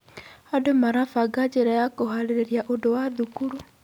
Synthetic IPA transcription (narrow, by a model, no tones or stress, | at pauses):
adomaɾafaɡad͡ʑeɾajakoɦaɾeɾeɾijaʔodowaðukuɾu